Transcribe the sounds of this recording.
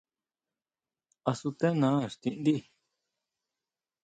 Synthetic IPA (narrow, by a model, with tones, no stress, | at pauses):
a˧su˧t̪ẽ˦nã˨˦ʂt̪ĩ˧ʔnd̪i˦˨